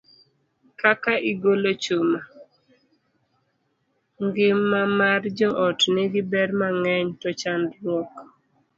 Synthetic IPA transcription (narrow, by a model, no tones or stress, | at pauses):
kakaʔɪɡolot͡ʃuma | ŋɡɪmːamard͡ʒɔʔɔtnɪɡɪbɛɾmaŋɛɲtɔt͡ʃandlwɔk